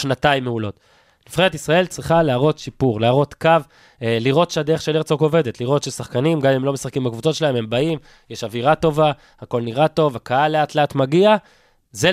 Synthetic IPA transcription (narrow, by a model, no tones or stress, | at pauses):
ʃnataimːeulo̞t | lifχeet̪̬isʁae̞lt͡sʁiχaleaʁo̞t̪ʃipuʁleaʁo̞t̪kav | liʁo̞t̪ʃead̪eeχʃeleʁt͡soko̞ve̞d̪et̪liʁo̞t̪ʃesaχkanimɡamimlo̞mesaχkimbakvut͡so̞tʃelae̞me̞mbaim | jeʃaviʁato̞va | hako̞lniʁato̞vakaaleatleatmaɡia | ze